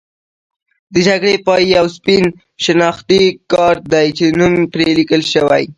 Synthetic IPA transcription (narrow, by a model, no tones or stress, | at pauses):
d̪əd͡ʒaɡɽepɑiawspin | ʃɪnɑxt̪ikɑɾd̪ajt͡ʃenumpɾelikəlʃəwa̰j